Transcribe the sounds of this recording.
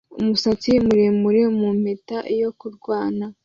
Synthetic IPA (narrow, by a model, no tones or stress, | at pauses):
ṵmusat͡simuɾemuɾemum̥etaʔijo̞kuɾɡwaːna